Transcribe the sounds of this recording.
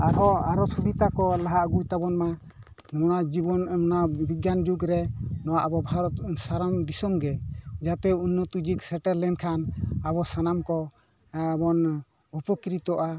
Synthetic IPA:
aɾɦɔaɾɔsubit̪akɔlaɦaɡujt̪abɔnma | nɔnad͡ʒibɔnmnabiɡjand͡ʒuɡɾɛnɔwaʔbɔbʱaɾɔt̪saɾamd̪isɔmɡɛd͡ʒat̪ɛunːɔt̪ud͡ʒiksɛʈɛɾlɛnkʰanabɔsanamkɔ | bɔn | upɔkiɾit̪ɔʔa

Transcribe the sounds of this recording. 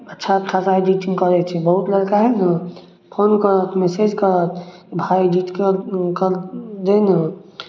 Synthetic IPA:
ətːʃʰat͡ʃʰasaid͡ʒiʈiŋɡkəɾɛt͡ʃʰɛbəɦut̪ləɽkaɦɛnə | pʰonkəɾət̪ʰmesed͡ʒkəɾət̪ʰkibʱaid͡ʒiʈ̪kekəɾd̪enə

